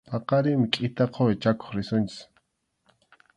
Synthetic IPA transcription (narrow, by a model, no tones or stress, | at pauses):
pɑqɑɾɪmɪkʼɪt̪aqʰoet͡ʃako̥χɾɪsʊnt͡ʃɪ̥s